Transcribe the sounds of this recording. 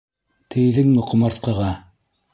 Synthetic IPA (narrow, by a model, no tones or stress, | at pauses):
t̪ʰɘ̆jðɘŋmɘqŏmɑɾt̪̚qɑ̆ʁɑ